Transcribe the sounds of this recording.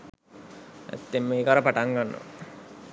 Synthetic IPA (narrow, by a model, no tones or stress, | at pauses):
æ̰t̪ːemːeːkaɾəpaʈaŋɡanːo̰